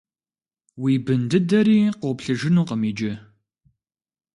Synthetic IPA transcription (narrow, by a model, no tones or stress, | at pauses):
wiːbɨndɨdɐɾiːqoːpɬɨʒɪnuːqəmiːd͡ʒɪ